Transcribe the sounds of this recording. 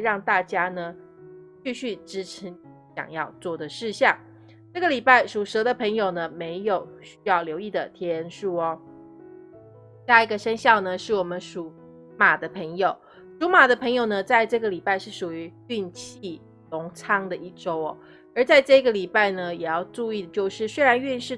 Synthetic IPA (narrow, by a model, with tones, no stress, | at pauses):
ɻɑ˥˧ŋt̪a˥˩t͡ɕja˥nə˨ | t͡ɕy˥˧ɕy˥˩ʈ͡ʂɻ̩˥ʈ͡ʂʰi˧˥n | ɕjɑ̰˨˩ŋjɑ˥˧ʊt͡swɔ˥˩d̪ə˩ʂɻ̩˥˧ɕjɑ˥˩ŋ | ʈ͡ʂɤ˥˩ɡə˩li˨˩pa˥˩ɪʂu˨˩ʂɤ˧˥d̪ə˧pʰə˧˥ŋjo˨˩ʊnə˦me˧˥ɪjo˨˩ʊɕy̥˥jɑ˥˩ʊljo˧˥ʊi˥˩d̪ə˩t̪ʰjɛ˧˥ə˧˥nʂu˥˩ɔ˨˩ | ɕja˥˩i˧˥ɡə˧ʂə˥nɕjɑ˥˩ʊnə˨ʂɻ̩˥˩wɔ˨˩mə˦nʂu˨˩ | ma˨˩d̪ə˦pʰə˧˥ŋjo˨˩ʊ | ʂu˧˥ma˨˩d̪ə˦pʰɤ˧˥ŋjo˨˩ʊnə˩t͡sa˥˧ɪʈ͡ʂɤ˥˩ɡə˩li˨˩pa˥˧ɪʂɻ̩˥˩ʂu˨˩y˧˥ | y˥˧nt͡ɕʰi˥˩ | lʊ˧˥ŋt͡sʰɑ˥ŋd̪ə˨ʔi˥˩ʈ͡ʂo˥ʊɔ˨˩ | ə˞˨˧˥t͡sa˥˧ɪʈ͡ʂɤ˥˧i˥ɡə˨li˨˩pa˥˩ɪnə˨jɛ˨˩jɑ˥˧ʊʈ͡ʂu˥˧i˥˩d̪ə˩t͡ɕjo˥˧ʊʂɻ̩˥˩swe˥ɻa˧˥ny˥˧nʂɻ̩˥˩